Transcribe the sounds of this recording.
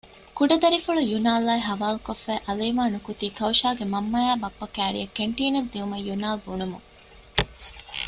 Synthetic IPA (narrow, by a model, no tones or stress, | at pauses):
kuɖɐd̪ɐɾifuɭujunaːlaːiɦɐʋaːlukofːæːʔɐleːmaːnukut̪iːkɐwʃaːɡemɐmːɐjaːbɐpːɐkæːɾḭɐkːeɳʈiːnɐd̪ːiumɐjunaːlbunumṵŋ